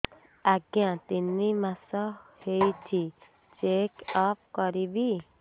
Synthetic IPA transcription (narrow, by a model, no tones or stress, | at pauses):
aɡjãt̪inːimasɔhejt̪ʰi | t͡ʃekɔp̚kɔɾibi